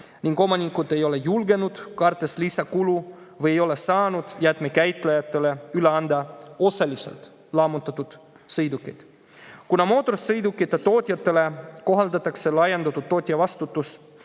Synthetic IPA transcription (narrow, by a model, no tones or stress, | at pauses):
niŋɡo̞mɑnʲikːˑud̪e̞jo̞le̞julɡe̞nud̪̥kɑrt̪ːˑe̞slisɑkulu | vɤjejo̞lesɑːnud̪̥jæt̪mekæjt̪ːˑlejɑt̪ːˑele̞yleɑnd̪ɑo̞sɑlisḛlt̪ˑ | lɑːmut̪ːˑɑt̪ːˑud̪̥ | sɤjd̪ukːˑed̪̥ | kunɑmo̞ːt̪ːˑo̞rsːɤjd̪ukːˑit̪ːˑɑt̪o̞ːt̪ʲjɑt̪ːˑe̞le̞ko̞ɦɑld̪ɑt̪ːˑɑkse̞lɑjend̪ɑt̪ːˑudt̪̚ːo̞ːt̪ʲjɑvɑst̪ut̪ːˑus